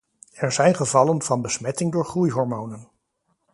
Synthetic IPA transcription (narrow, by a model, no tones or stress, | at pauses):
ɛɹzɛjnχəvɑlənv̥ɑnbəsmɛtɪŋdʊːɹχrujɦɔɹmownən